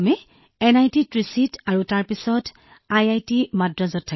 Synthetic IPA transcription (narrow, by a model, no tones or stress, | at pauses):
mɛ | ɛnajtitɹisitʰaɹutaɹpisɔt | ajajtimadɹɔzɔtʰːa